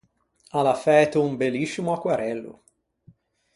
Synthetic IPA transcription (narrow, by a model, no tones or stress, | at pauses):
alafɛt̪uumbelːisːimuakːwaɾɛlːṵ